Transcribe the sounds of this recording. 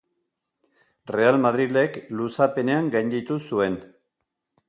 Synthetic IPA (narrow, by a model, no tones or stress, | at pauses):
re̞almað̞ɾile̞klusape̞ne̞aŋɡajnd̪it̪usue̞n